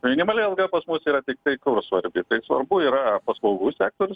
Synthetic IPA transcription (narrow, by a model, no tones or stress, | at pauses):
mʲɪnʲɪmɐlʲɛɐlˠɡɐpɐsmʊsiːɾɐt̪ʲɪk̚t̪ɐɪkʊrsʋɐɾʲbʲɪt̪ɐɪsʋɐ̰ɾbʊiːɾɐpɐslˠɐʊɡuːsʲæːk̚t̪oːɾʲʊs